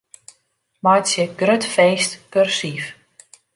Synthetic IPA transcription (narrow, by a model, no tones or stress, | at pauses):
mɔjtsjəɡrøtfeːstkørsif